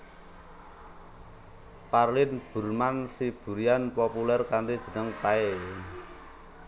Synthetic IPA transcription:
parlɪnb̥ṳrmansib̥ṳɾianpɔpulɛrkant̪id̥ʒ̥ə̤nəŋpae

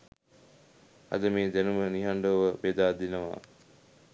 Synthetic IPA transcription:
a̰d̪əmeːd̪ænuməniɦaɳɖoʋəbed̪aːd̪inəʋa̰ː

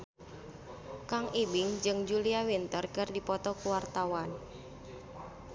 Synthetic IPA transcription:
kaŋʔibɪŋd͡ʒɨŋd͡ʒuliawint̪ərkərdipɔt̪ɔkuwart̪awan

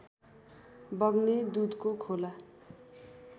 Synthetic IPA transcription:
bʌɡnid̪ud̪kokʰola

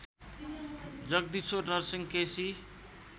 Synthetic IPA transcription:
d͡zʌɡ̚d̪isornʌɾsiŋkesi

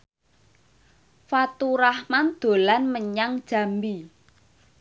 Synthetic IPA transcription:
fat̪uɾahmand̪̥o̤lanməɲaŋd̥ʒ̥ä̤mbi

